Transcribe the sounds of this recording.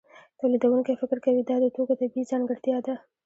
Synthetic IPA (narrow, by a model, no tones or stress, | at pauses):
t̪alid̪awuŋkefɪkɾkawid̪ɑd̪əʈoɡat̪abizɑŋɡɪɽt̪jɑd̪a